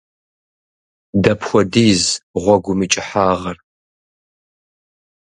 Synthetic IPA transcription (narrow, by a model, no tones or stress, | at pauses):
dɐpʰxʷɔdiːzʁʷɔɡʷʊmit͡ʃʼɪħaːʁɐr